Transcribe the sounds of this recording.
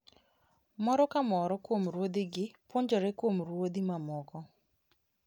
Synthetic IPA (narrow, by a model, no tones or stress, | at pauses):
mɔɾɔkamɔɾɔkwomɾwod̪iɡɪpwoɲd͡ʒɔɾɛkwomrwod̪imamɔkɔ